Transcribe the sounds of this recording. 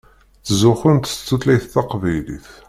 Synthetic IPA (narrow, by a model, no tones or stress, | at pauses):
t͡sːzʊχʊnt̪t͡sːuθlæjθθɑqvæjlḭθ